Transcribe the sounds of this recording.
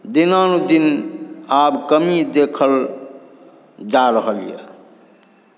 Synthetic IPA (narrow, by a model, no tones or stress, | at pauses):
d̪inanud̪inabkəmid̪ekʰəl | d͡ʒaɾəɦəlijḛ